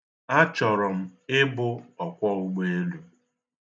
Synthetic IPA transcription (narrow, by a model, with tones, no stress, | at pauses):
a˦t͡ʃɔ˨ɾɔ˨m̩˦ɪ˦bʊ˦ɔ˨kʷɔ˦ʊ˦ɡ͡be˦e˦lu˨